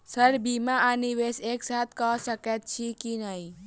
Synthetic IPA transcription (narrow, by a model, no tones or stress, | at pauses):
səɾbimaaniʋeseːksat̪ʰkɔsəket̪̚t͡ʃʰikinəi